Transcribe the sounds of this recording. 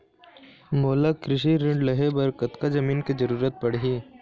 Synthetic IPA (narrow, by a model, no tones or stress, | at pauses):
moːlakɾɪʃ̬iɾɪ̃ɳɖlɐɦebɐɾkɐt̪kazɐmiːnkezɐɾuːɾət̪̚pɐɽ̤ɦiː